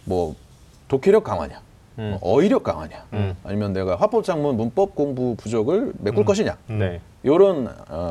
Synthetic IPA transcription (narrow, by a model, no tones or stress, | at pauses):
mwʌ | tokʰeɾjʌk͈aŋwa̰ɲa | ʔʌiɾjʌk̚k͈a̰ŋwa̰ɲa̰ːɲimjʌnne̞ɡaɸwap͈ʌp̚t͡ɕ͈aŋmunmunp͈ʌp̚k͈oŋbupud͡ʑʌɡɯɭmek͈uɭk͈ʌɕ̬ʰiɲa̰ne | joɾɯn